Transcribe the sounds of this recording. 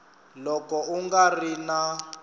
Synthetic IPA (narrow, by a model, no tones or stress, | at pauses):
lɔkɔuŋɡarina